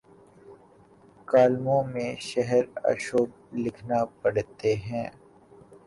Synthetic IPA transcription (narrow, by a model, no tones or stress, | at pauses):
kaːlmõmẽʃɛɦɛɾɐ̰ʃoːb̚ | lɪkʰnapɐɽt̪eɦɛ̃ː